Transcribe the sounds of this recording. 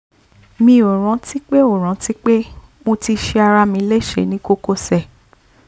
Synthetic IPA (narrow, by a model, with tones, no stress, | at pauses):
mĩ˧˦˨o˨ɾ̃ã˨˦ti˦k͡pe˦o˨ɾ̃ã˨˦ti˦k͡pe˦ | mõ˧ti˧ʃe˧a˧ɾa˧mĩ˧˦le˦˨ʃḛ˨nĩ˦ko˦ko˦˨sɛ˦˨